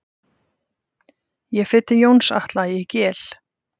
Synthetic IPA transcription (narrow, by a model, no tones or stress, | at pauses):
jɛfɪt̪ːɪjoːwnsa̰ht̪lajɪcɛːl̥